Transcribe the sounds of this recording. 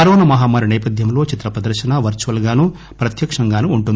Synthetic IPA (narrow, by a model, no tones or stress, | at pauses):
ɐɾoːnɐmɐɦaːmaːɾunɛːpɐd̪ʱjɐmlo̞ːt͡ʃit̪ɾɐpɾɐd̪ɐɾʃɐnaːʋɐɾt͡ʃuʋɐlɡaːnu | pɾɐt̪jɐkʂɐŋɡaːnuːɳʈund̪